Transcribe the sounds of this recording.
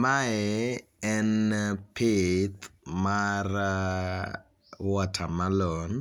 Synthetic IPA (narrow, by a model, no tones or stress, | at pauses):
maɛ | ɛnpʰet̪mar | wɔtʰamalɔn